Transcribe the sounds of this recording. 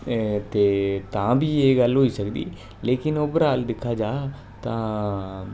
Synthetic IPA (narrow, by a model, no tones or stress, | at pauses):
t̪eːt̪ãːbiːeːɡəlɦoːiːsəkd̪ḭː | leːkɪnoːbəɾaːld̪ɪkʰːaːd͡ʒaː | t̪ãː